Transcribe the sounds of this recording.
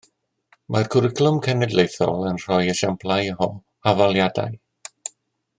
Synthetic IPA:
mʔarkʰʊɾɪkʰlˠʊmkʰɛnɛdlejθɔ̰lˠənr̥ɔjəʃampʰlˠajɦɔ | avalˠjada̰j

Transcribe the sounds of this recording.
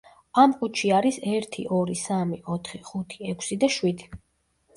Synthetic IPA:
amkʼut͡ʃʰiaɾisɛɾt̪ʰḭʔɔɾisamiʔɔt̪ʰχiχut̪ʰiɛkʰsid̪aʃwid̪i̥

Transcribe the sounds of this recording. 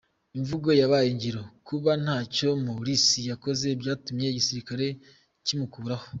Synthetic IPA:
iɱvuɡo̞jaβajiɲɟiɾo̞kuβan̥haːco̞moɾisijako̞ze̞bɟaːtumje̞ɟisiɾikaɾe̞ | cimukuːɾaho

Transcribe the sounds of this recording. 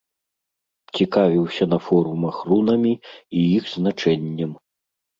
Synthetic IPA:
t͡sʲikavʲiwsʲɐnɐfɔɾumɐxrunɐmʲiijixznat͡ʂɛnʲːɐm

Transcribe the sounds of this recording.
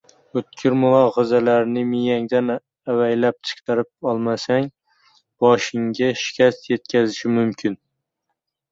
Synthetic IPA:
ɵt̪̚kʲʰɪɾmʊlˠɒhɒzalaɾɪnɪmɪjaŋd̪an | awajlap̚t͡ʃʰɨ̥qt̪ʰaɾɪp̚ɒlˠmasaŋ | b̥ɒʃɪŋɡʲaʃɪ̥kʲʰast̪je̞t̪̚kʲʰazɪʃɪmʊmkʲʰɪn

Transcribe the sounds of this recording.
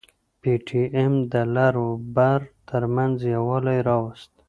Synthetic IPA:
piʈʰiemd̪əlaɾobaɾt̪ʰəɾmanzjawɑlajɾɑwast̪

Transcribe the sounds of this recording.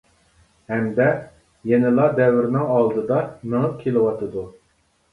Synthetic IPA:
hɛmd̪ɛ | jɛnɪlˠɑd̪ɛwɪɾnɪŋɑlˠd̪ɨd̪ɑnɨŋəp̚kʲʰelˠɪwɑt̪ʰɨd̪u

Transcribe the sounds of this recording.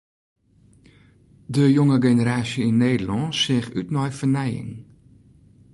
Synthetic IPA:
dəjoŋəɡenəɾaːsjəinːeːdəlɔnsɪːxytnɔjfənɛjɪ̰ŋ

